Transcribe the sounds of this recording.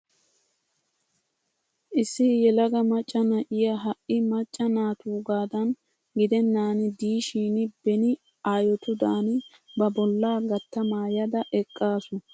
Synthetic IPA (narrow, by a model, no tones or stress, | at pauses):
ʔɪsːɪhɪjɛlɐɡɐmɐt͡ʃʼːɐnɐʔɪjɐɦɐʔɪmɐt͡ʃʼːɐnaːt̪uːɡaːd̪ɐn | ɡɪd̪ɛnːaːnɪd̪iːʃiːnɪbɛnɪ | aːjɔt̪ʊd̪aːnɪ | bɐbɔlːaːɡɐt̪ːɐmaːjɐd̪ɐʔɛkʼːaːsʊ